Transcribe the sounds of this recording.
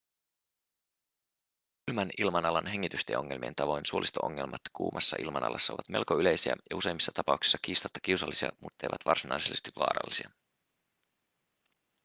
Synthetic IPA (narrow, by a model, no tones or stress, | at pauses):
kylmænilmɑnɑlɑnɦe̞ŋːit̪yst̪ḛo̞ŋːe̞lmie̞̰nt̪ɑʋo̞jnsuolʔist̪oʔo̰ŋːelmɑt̪kṵːmʔɑsːɑʔḭlmɑnʔɑ̰lɑsːɑoʋɑt̪me̞lkoyle̞jsiæ̰jɑuse̞jmːisːɑt̪ɑpɑuwksi̥sːɑkiːst̪ɑt̪ːɑ̥k̟iwsɑlːisiɑ̰mut̪ːejʋɑt̪ʋɑrsinɑjselːest̪iʋʋɑ̰ːɾɑ̰lːisiɑ